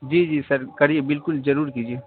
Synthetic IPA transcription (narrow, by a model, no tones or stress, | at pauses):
d͡ʒiːd͡ʒiːsɐɾkɐɾiebɪlkʊlzɐɾuːɾkiːd͡ʒieː